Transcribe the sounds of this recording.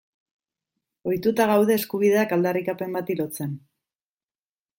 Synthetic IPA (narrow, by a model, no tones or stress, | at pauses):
o̞jt̪ut̪aɣ̞awð̞e̞ːskuβ̞ið̞e̞akald̪arikape̞mbat̪ilo̞t͡se̞n